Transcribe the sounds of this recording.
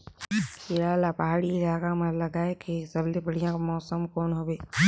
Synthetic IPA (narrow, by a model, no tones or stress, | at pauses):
ɪɾaːlapɐɦaːɽiɪlaːkamɐɾlɐɡaːekesɐblebɐɽ̤ijãkomɔːsəmkoːnɦoːbeː